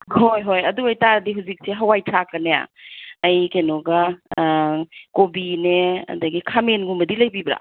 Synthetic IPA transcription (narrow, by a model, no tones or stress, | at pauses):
hojɦojɐduɐjtaɾdiɦuzik̚seɦɐwajtʰakːɐneja̰ɐjkenoɡɐ | kobineɐ̰dɐɡikʰamenɡumbɐdilɐjbibɾa̰